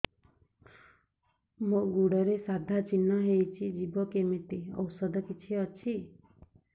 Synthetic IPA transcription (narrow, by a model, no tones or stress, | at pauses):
moɡuɽɔɾesad̪ʱat͡ʃinːaɦejt͡ʃʰid͡ʒibɔkemit̪eɔ̰wsɔd̪ɔkit͡ʃʰiʌt͡ʃʰi